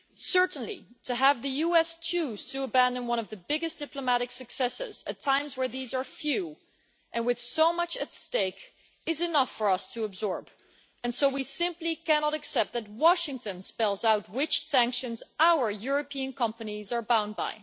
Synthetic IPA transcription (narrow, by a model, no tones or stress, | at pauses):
sɜ˞ʔn̩lḭtʰɨəvðɨjuɛst͡ʃʰuz̥tʰɨəbæ̃ndə̃nwʌ̃ñʌvðɨbɪɡɨs̚d̥ɪpləmæɾɨksɨksɛsɪ̰zɨtʰãɪ̃mzwə˞ðizə˞fjʉ | ʔɨ̃nwɨð̥soʊmʌt͡ʃɨtsteɪk | ɨzɨnʌfə˞ʌstʰɨəbzɔɹb | ɨ̃nsoʊwisɪ̃mplikænɑɾɨksɛp̚t̪̚ðɨt̚wɑʃɪ̃ŋtɨ̃nspɛlˠzaʊt̚wɪt͡ʃsæ̃ŋkʃɨ̃nzʔaʊə˞jʊɹɨpʰiɨ̃nkʰʌ̃mpɨnizə˞bãʊ̃nd̚ba̰ɪ